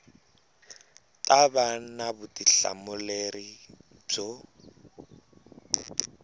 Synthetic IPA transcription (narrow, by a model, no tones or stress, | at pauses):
tʼabanabʊtʼiɬa̰mʊleri | b͡ʐo